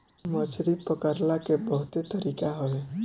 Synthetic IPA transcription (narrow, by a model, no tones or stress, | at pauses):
mət͡ʃɾipəkəɾlakebəɦʊt̪et̪əɾiːkaɦoe